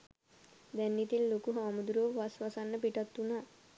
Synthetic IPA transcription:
d̪ɛnːit̪ilːokuɦaːmud̪ɾoʋasʋasanːəpiʈat̪ːuna

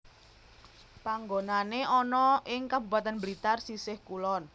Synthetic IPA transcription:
paŋɡonaneɔnɔʔɪŋkabupat̪anbɾit̪arsisɪhkulɔn

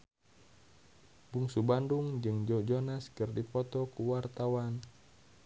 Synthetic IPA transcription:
buŋsubanduŋd͡ʒɨŋd͡ʒɔd͡ʒɔnaskɨrdipɔt̪ɔkuwart̪awan

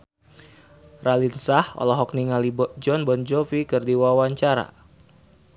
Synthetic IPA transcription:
ralinsahɔ̰lɔɦɔk̚niŋalibd͡ʒɔnbɔnd͡ʒɔfikɨrdiwawaɲt͡ʃaɾa̰

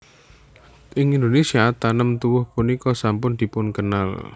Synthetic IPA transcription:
ʔɪŋind̪onesiat̪anəmt̪uwʊhpunikɔsampʊnd̪̥i̤pʊnkəna̰l

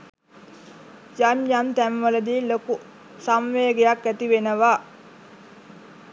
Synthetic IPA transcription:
jaɲjamt̪æmʋələd̪iːloku | samʋeːɡejakːæt̪iʋenəʋaː

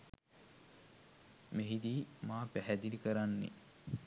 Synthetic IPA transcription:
meɦid̪iːmaːpæɦæd̪inikəɾanːḛ

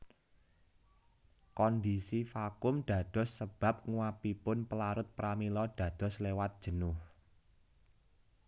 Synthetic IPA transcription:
kɔnd̪isifakʊmd̪̥ä̤d̪̥ɔ̤sːəb̥ä̤p̚ŋuwapipʊnpəlaɾʊt̪̚pɾamilɔd̪̥ä̤d̪̥ɔ̤slewat̪̚d̥ʒ̥ə̤nʊh

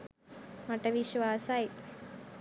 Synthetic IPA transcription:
mɐʈɐʋiʃʋaːsaj

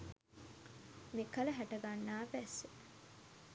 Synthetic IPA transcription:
mikɐlɐɦæʈɐɡanːaːbæse

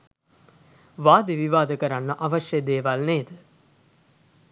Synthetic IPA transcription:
ʋaːd̪eʋiʋaːd̪əkəɾanːəʔaʋəʃjəd̪eːʋalneːd̪ə

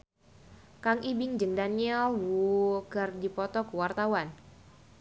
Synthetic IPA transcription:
kaŋibɪŋd͡ʒəŋdaniɛlwuɡardipɔt̪ɔkəwart̪awan

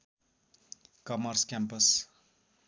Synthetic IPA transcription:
kʌmʌrskampʌs

